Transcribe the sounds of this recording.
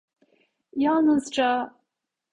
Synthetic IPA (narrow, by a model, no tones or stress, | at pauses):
janɨzʈ͡ʂʼa